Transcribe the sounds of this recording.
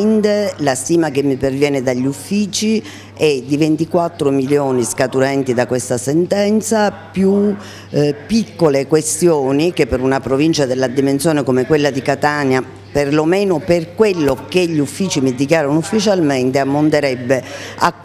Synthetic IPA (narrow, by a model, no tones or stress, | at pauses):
nt̪elast̪iːmakemːipervjɛːned̪aʎːufːiːt͡ʃi | ɛd̪ivent̪ikwat̪ːɾomiljoːniskat̪uɾɛnt̪id̪akwest̪asɛnt̪ɛnt̪sapju | pːikːolekwest̪joːnikepːeɾunapɾovint͡ʃad̪elːad̪imensjoːnekomekwelːad̪ikat̪anja | perlomeːnoperkwelːokeʎːiufːiːt͡ʃimid̪ikjaːɾonufːit͡ʃalment̪eamːont̪eɾɛbːea